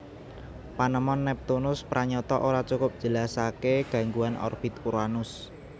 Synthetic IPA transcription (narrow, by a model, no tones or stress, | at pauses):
panəmɔnːɛp̚t̪unʊspɾaɲɔt̪ɔʔoɾat͡ʃukʊp̚d̥ʒ̥ə̤lasakeɡ̥a̤ŋɡuanɔ̰rfit̪uɾanʊs